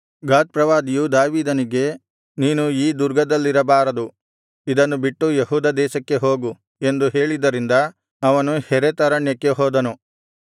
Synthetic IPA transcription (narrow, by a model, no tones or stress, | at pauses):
ɡaːt̪̚pɾɐʋaːd̪ijud̪aːʋiːd̪ɐniɡe̞ | niːnuiːd̪uɾɡɐd̪ɐlːiɾɐbaːɾɐd̪u | id̪ɐnːubiʈːujeɦuːd̪ɐd̪ɛːʃɐkːe̞ɦo̞ːɡu | e̞nd̪uɦe̞ːɭid̪ɐɾind̪ɐ | ɐʋɐnuhɛɾet̪ɐɾɐɳjɐkːe̞ɦoːd̪ɐnu